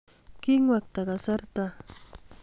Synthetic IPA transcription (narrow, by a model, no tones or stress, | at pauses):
kɪŋwakt̪aɢɑsaɾt̪a